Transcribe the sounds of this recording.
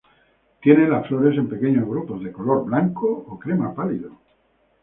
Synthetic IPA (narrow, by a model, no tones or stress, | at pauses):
t̪je̞nelasflo̞ɾe̞s̬e̞mpe̞keɲo̞zɣ̞ɾupo̞zðeko̞lo̞ɾβlaŋkoːkɾemapaliðo